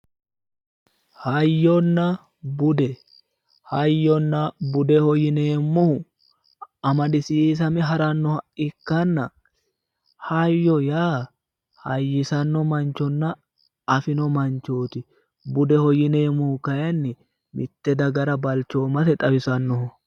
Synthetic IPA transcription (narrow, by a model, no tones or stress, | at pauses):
hɐjːɔnːɐ | bʊd̪ɛ | hɐjːɔnːɐbʊd̪ɛhɔjɪne̞ːmːʊhʊ | ɐmɐɗɪsiːs̬ɐmɛɦɐɾɐnːɔhɐʔɪkːɐnːɐ | hɐjːɔjaː | hɐjːɪsɐnːɔmɐnt͡ʃːɔnːɐ | ɐfɪnɔmɐnt͡ʃːo̞ːt̪ɪ | bʊd̪ɛhɔjɪne̞ːmːʊhʊkɐjɐnːɪ | mʔɪt̪ːɛd̪ɐɡɐɾɐbɐlt͡ʃːo̞ːmɐt̪ɛt̪ʼɐwɪsɐnːɔhʊ